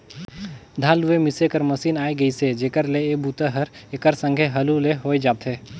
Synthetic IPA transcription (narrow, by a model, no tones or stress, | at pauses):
d̪ʱaːlʊemɪsekəɾmɐsiːnaːiɡɐised͡ʒeːkəɾleeːbʱuːt̪əɦəɾeːkəɾsə̃ŋɡʱeɦɐluleɦoːed͡ʒaːt̪ɦeː